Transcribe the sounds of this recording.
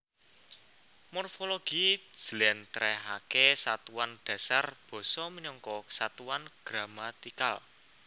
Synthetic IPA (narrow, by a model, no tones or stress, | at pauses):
mɔrfoloɡ̥i̥d͡ʒ̥lɛnt̪ɾɛɦakesat̪uwanɖ̥ä̤sarb̥ɔ̤sɔminɔŋkɔsat̪uwanɡ̥ɾamat̪ikal